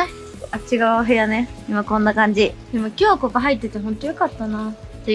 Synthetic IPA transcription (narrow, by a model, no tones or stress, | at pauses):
at͡ɕiɡaɦejane̞imakõ̞nːakãɲ̟d͡ʑid̪̥emokʲo̞ːkopaɦait̪ːe̞t̪e̞ɦõ̞nt̪o̞jo̞kat̪ːanat̪ːe